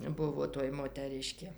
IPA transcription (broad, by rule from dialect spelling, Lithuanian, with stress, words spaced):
ˈbʊʋoː toːj moːtʲɛˈrʲɪʃʲkʲeː